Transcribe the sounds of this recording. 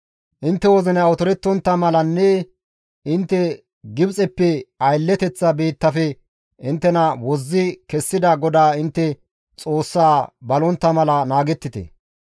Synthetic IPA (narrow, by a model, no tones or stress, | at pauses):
ʔɪnt̪ːɛwɔzɪnwɔt̪ɔɾɛt̪ːɔnt̪ːɐmɐlɐnːɛ | ɪnt̪ːɛ | ɡɪbt͡sʼɛpːɛɐjlːɛt̪ɛt͡sːɐbe̞ːt̪ːɐfɛ | ʔɪnt̪ːɛnɐwɔzːɪkɛsːɪd̪ɐɡɔd̪aːɪnt̪ːɛ | t͡sʼo̞ːsːaːbɐlɔnt̪ːɐmɐlɐnaːɡɛt̪ːɪt̪ɛ̰